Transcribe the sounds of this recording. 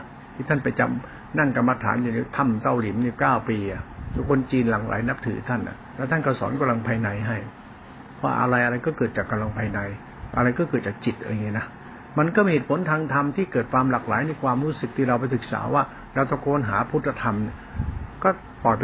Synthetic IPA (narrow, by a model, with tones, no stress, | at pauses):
t̪ʰiː˧˩t̪ʰa˥˩npa˧jt͡ɕa̰˧m | na˥˩ŋka˧mːa˧t̪ʰa̰ː˩˦nju˨˩niː˧˦˥t̪ʰa˧˥˩mt̪a˥˩wli˨˩˦mniː˧˦˩kaː˥˩wpiː˧ʔa˨˩ju˧˩kʰo˧nt͡ɕiː˧nlaː˨˩ŋla̰ː˩˦jna˦˥p̚t̪ʰɯː˨˩˦t̪ʰa˥˩nʔa̰˨˩lɛ˦˥wt̪ʰa˥˩nkɔ˧˥˩sɔ̰ː˩˦nka˧mla˧ŋpʰaː˧jna˧jɦa˥˩j | pʰɔ˦wa̰ː˥˧˩ʔa̰˧ɾa˧jʔa˧ɾa˧jkɔː˥˩kɤː˨˩t̪̚t͡ɕaː˨˩kːa˧mla˧ŋpʰaː˧jna˧j | ʔa˧ɾa˧jkɔː˥˩kɤː˨˩t̚t͡ɕaː˨˩k̚t͡ɕi˨˩t̪̚ʔa̰˧ŋi˦˥˨na˦˥ | ma˧nkɔː˥˩mi˧heː˨˩t̪̚pʰo˨˦nt̪ʰaː˧ŋt̪ʰa˧mt̪ʰiː˥˩kɤː˨˩t̪̚kʰwaː˧mlaː˨˩k̚la̰ː˨˦jna˧jkʰwaː˧mɾuː˦˥sɯ˨˩k̚t̪ʰiː˥˩ɾa˧wpa˧jsɯ˨˩k̚sa̰ː˩˦waː˥˩ | ɾa˧wt̪ɔ˧˩ŋkʰoː˧nɦaː˩˦pʰu˦˥t̪̚ʰːa˧t̪ʰa˧mni˧˩ | kɔː˥˩ | p̪ɔː˨˩jp